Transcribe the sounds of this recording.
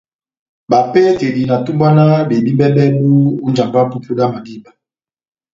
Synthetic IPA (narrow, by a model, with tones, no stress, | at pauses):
ba˨pe˦ke˨di˨na˨tu˦mba˦na˦be˨bi˦bɛ˦bɛ˦mu˦u˦nd͡ʒa˨mba˦pu˦pu˦da˦ma˨di˦ba˨